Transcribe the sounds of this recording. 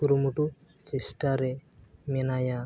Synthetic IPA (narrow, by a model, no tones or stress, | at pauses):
uɾumuʈu | t͡ʃisʈaɾɛmɛnaja